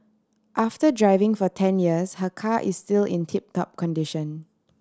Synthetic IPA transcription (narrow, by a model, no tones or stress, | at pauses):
ʔaftədɹaɪvɪ̃ŋfɔtʰɛ̃njiəshəkʰaʔɪstilɪ̰̃ntʰip̚tɔ̰p̚kʰɔ̃ndiʃə̃n